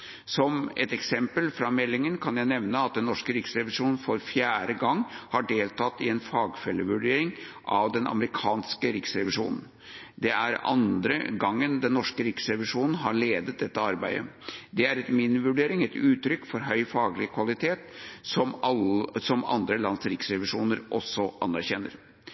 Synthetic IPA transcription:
sɔmɛ̰t̪ɛksɛmpəlfɾɑmɛlːɪŋənkʰɑnjæɪnɛʋnəɑt̪̚d̪ɛnːɔʂkəɾɪksɾɛʋɪʂuːnn̩fɔɾfjæːɾəɡɑŋːhɑɖeːlt̪ʰɑt̪ːɪɛnfɑːɡfɛlːəʋʉɖeːɾɪŋ | ʔɑʋd̪ɛnʔɑ̰məɾɪkʰɑːnskəɾɪksɾɛʋɪʂṵːnn̩ | d̪ɛæɾɑ̰nd̪ɾə̰ɡɑŋːənd̪ɛnːɔʂkəɾɪksɾɛʋɪʂuːnn̩ɦɑɾɭeːd̪ət̪̚d̪ɛt̪ːəɑɾbæɪd̪ə̰d̪ɛæɾɛt̪mɪnːɪʋʉɖeːɾɪŋɛt̪ʉːt̪ɾʏkːfɔɾɦœʏfɑːɡəlɪkʰʋɑlɪt̪ʰeːt̪sɔm | sɔmɑ̰nd̪ɾəlɑnsɾɪksɾɛʋɪʂuːnəɾʔɔ̰sːɔʔɑ̰nːæɾçɛnːə̰ɾ

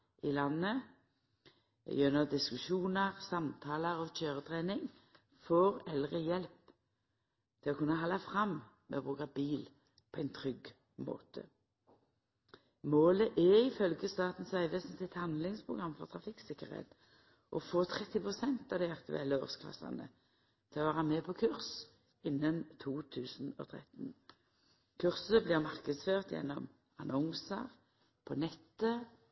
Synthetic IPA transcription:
ʔɪlɑnːə | jœnəd̪ɪskʉʃuːnəʁsɑmt̪ʰɑːləʁɔc͡çøːʁət̪ʰʁeːnɪŋ | foːʁɛlʁəjɛlp | t̪ʰɪlɔkʰʉnːəɦɑlːɑfʁɑmː | mɛ̰ɔbʁʉːkɑbiːl | pʰɔæɪnt̪ʰʁʏɡ | mo̰ːt̪ʰə̰ | moːləʔɛɪfœlɡəst̪ɑːt̪n̩sæɪʋəsnt̪ɪt̪hɑnd̪lɪŋspʰʁʊɡʁɑmːfɔʁt̪ʰʁɑfɪksɪkːəʁhḛːt̪ | ʔɔfoːt̪ʰʁɛt̪ːɪpʁʊsɛnt̪ɑːʋd̪æɪɑkt̪ʉ̰ʔɛlːəɔ̰ʁskʰlɑ̰sɑ̰nə̰ | t̪ʰɪlɔʋæːʁəmeːpʰɔkʰʉʁs | ɪnːənt̪ʰuːt̪ʰʉːsn̩ɔ̰t̪ʰʁɛ̰t̪n̩ | kʰʉʁsəblɪːʁmɑʁkəd̪sføːʁt̪jɛ̰nːɔm | ɑnɔŋsəʁ | pʰɔnɛt̪ːə

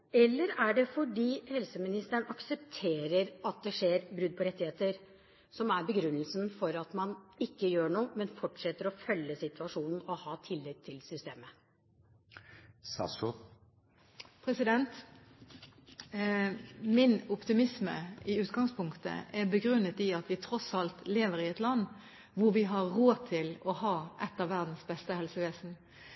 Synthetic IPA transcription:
ɛlːəɾæɖɛfɔɖiːhɛlsəmɪnɪst̪əəɳɑksɛpt̪ʰeːɾəɾɑt̪̚d̪ɛʂeːɾbɾʉd̪̚pʰɔɾɛt̪ːɪheːt̪əɾ | sɔmæɾbəɡɾʉnːəlsnfɔɾɑt̪mɑnɪkːəjøːɳuːmɛnfɔʈʂɛt̪ːəɾɔfœlːəsɪt̪ʉɑʂuːnn̩ɔhɑːt̪ʰɪlːɛk̚t̪ʰːɪlsʏst̪eːmə | sɑ̰s | pʰɾɛsɪd̪ɛnt̪ | mɪnʊpt̪ɪmɪsmə̰ɪʉːt̪ɡɑŋspʰʊŋkt̪ə̰ʔɛbəɡɾʉnːət̪ɪɑt̪ʋɪt̪ʰɾɔsɑlt̪leːʋəʁɪɛt̪lɑnː | ʋʊʁʋɪɦɑɾoːt̪ʰɪlɔhɑːʔɛt̪ːəʋæʁd̪n̩sbɛst̪əhɛlsəʋeːsn̩

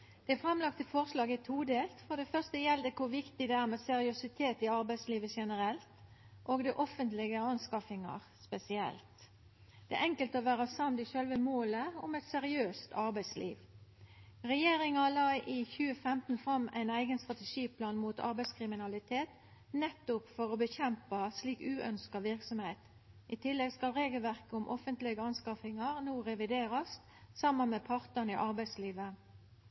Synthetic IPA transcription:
d̪̥ɛæfʁɑmlɑk̚t̪ɪlfɔʁslɑːɡɪt̪ʰuːd̪eːlt̪fɔʁd̪ɛfœʁst̪əjɛld̪əkʰʊʁʋɪkt̪ɪd̪ɛæːʁmɛsɛɾɪʉsɪt̪ʰeːt̪ɪɑʁbæɪsliːʋəʃɛnəɾɛlt̪ʔoːɡd̪ɛʔɔfənt̪lɪɡəɑnskɑfɪŋɑ̰ʁspɛsɪɛ̰lt̪ | d̪̥ɛ̰ʔɛŋkəlt̪əɔʋæːɾɑsɑmd̪ɪʃœlʋəmoːləɔmɛt̪sɛʁɪøːst̪ʰɑʁbæɪslʔḭːʋ | ʁɛjeːʁɪŋɑlɑːʔiːçʉːəfɛmt̪n̩fʁɑmæ̰ɪnæɪɡənst̪ʁɑt̪əʂiːpʰlɑːnmuːt̪ʰɑ̰ʁbæɪskʰʁɪmɪnɑlɪt̪ʰeːt̪ | nɛt̪ːʊpfɔʁɔbəçɛmpɑsliːkʉːʔœnskɑʋɪʁksɔmheɪt̪ | ʔɪt̪ʰɪlːɛɡskɑlʁeːɡəlʋæʁkəʊmʔɔfənt̪lɪɡəɑnskɑfɪŋɑʁnuːʁɛʋɪd̪eːʁɑs | sɑmːənmɛpʰɑʁt̪əniʔɑʁbæɪsliːʋə

